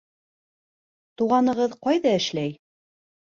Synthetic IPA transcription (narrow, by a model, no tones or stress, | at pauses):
t̪uʁɑnɤ̆ʁɤðqɑjðɑɘ̆ʃlæj